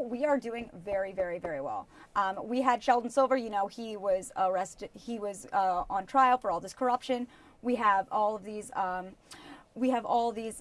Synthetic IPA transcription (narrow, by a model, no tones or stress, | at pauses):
wiə˞dʉɪ̃ŋvɛɹivɛɹivɛɹiwɛ̰lˠʔmwiɨd̥ʃɛlˠdⁿn̩sɪlˠvə˞jɨnoʊiwʌzəɹɛstiwʌzʌə̃ntʰɹ̥aɪl̩ˠfə˞ɔlˠðɪskʰə˞ʌpʃɨ̃n | wiəvɔlˠʌvðizʌ̃mwiɨvɔlˠðiz